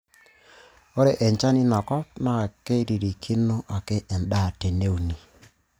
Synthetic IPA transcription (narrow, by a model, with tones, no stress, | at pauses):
o˦ɾe˦˨ʔɛ˨ɲt͡ʃa˦ni˦na˨kɔ˦pna˨ke˦i˦ɾi˨ɾi˨kʰi˦no˦ʔa˨ke˦ʔɛ˨nda˦˨te˨ne˦u˨ni˨